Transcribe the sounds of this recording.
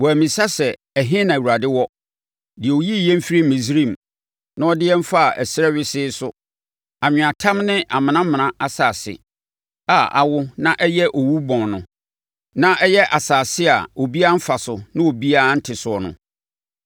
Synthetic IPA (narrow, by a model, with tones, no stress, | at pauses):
wɔ˨æ˨mĩ˨sa˦sɛ˨ | ɛ˨ɦɪ̃˦nã˨wu˨ɾa˨dɪ˦wɔ˦ | dɪ˨ɛ˨o˨ji˦˨jɛ̃˦m̩˦fi˦ɾi˦mĩ˨sɾĩ˦˨m | nã˦ɔ˦dɪ˦ɛ˦m̩˦fa˦˨ʔɛ˨sɪ˦ɾɛ˦ɥɪ˦sɪ˦sʊ˦ | a˨ɲᶣɪ̃˨a˨tʰã˦mnɪ̃˦ʔa˨mɪ̃˨nã˦mɪ̃˨nã˦a˨saː˨sɪ̰˨ | a˦˨ʔa̰˨wʊ˦nã˦ʔɛ˦jɛ˦ʔo˨wu˦bɔ̃˨nnʊ̃˨ | nã˦ʔɛ˦jɛ˦ʔa˨saː˨sɪ˦a̰˨o˨bi˦a˦m̩˦fa˨sʊ˨nɪ̃˦o˨bi˦a˦n̩˦tʰɪ˨sʊ˨ɔ˨nʊ̰̃˨